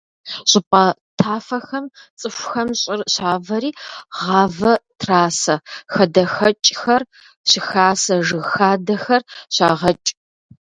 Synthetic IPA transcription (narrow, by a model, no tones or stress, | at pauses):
ɕʼɪpʼɐtʰaːfɐxɐmt͡sʼɨfʷʊxɐmɕʼɪrɕaːvɐɾiːʁɑːvɐtʰraːsɐxɐdɐxɐt͡ʃʼxɐr | ɕɪxaːsɐʒɨɣxaːdɐxɐrɕaːʁɐt͡ʃʼ